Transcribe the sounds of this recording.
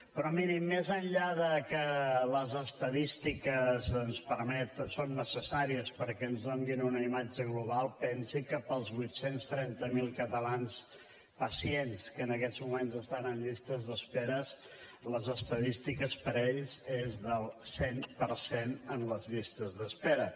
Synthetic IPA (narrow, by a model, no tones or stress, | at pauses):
pɾɔmiɾimːezənʎaðəkələzəst̪əðist̪ikəzənspəɾmɛt̪sonːəsəsaɾiəspəɾkɛənzðoŋɡinunəimad͡ʒəɣ̞luβ̞alˠpɛnsikəpəlˠzβujt̪senst̪ɾɛnt̪əmilˠkət̪əlans | pəsienskəːnəkɛzmumenzəst̪anəmʎist̪əzðəspɛɾəs | ləzəst̪əðist̪ikəspəɾeʎzezðəlˠsempəɾsenənləzʎist̪əzðəspɛɾə